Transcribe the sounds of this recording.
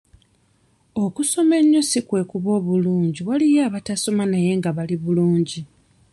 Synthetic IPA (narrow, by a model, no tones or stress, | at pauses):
o̞kuso̞me̞ɲːusikwe̞kuβo̞ːβuluːɲɟiwalijaːβataso̞manaje̞ŋɡaβaliβuluːɲɟi